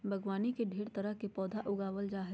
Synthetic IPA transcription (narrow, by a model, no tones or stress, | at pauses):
bʱɐɡʋaːnikeɖʱeːɾt̪ɐɾəɦkepɔːd̪ʱaʔʊɡaːʋəld͡ʒaːɦə